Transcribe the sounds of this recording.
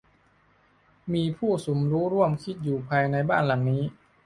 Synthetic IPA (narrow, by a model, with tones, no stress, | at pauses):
miː˧pʰuː˥˩su˩˦mɾuː˦˥ɾu˥˩əmkʰi˦˥t̪̚juː˨˩pʰaː˧jna˧jbaː˥˩nla˨˩˦ŋniː˦˥